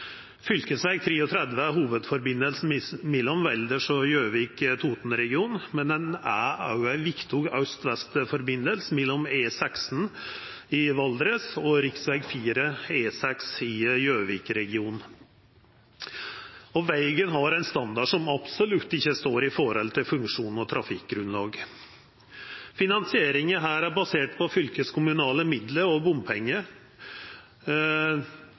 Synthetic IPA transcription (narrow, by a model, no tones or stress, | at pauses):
fʏlkəsʋæɪɡ̚t̪ʰɾeːɔt̪ʰɾɛd̪ʋəæɦuːʋəd̪fɔɾbɪnːəlsn̩mɛlːɔmʋɛld̪əʂɔjøːʋiːkt̪ʰuːt̪n̩ɾɛɡɪuːnmɛnd̪ɛnææɾjʊæʋɪkt̪ʰʊɡɑʉst̪ʋɛst̪fɔɾbɪnːəlsmɛlːɔmeːsɛksn̩ | ɪʋɑld̪ɾəsɔɾɪksʋæɪɡfiːɾəeːsɛksɪjøːʋiːkɾɛɡɪuːnn̩ | ɔʋæɪɡənɦɑɾɛnst̪ɑnd̪ɑɖʂɔmɑb̥sɔlʉt̪ːɪçːəst̪oːɾɪfɔɾɔlt̪ʰɪlfʉŋkʂuːnɔt̪ʰɾɑfɪk̚ɡɾʉnlɑːɡ | fɪnɑnsɪeːɾɪŋəɦæːɾæɾbɑseːʈpʰɔfʏlkəskʰʊmʉnɑːləmɪd̪ləɾɔbʊmpʰɛŋːə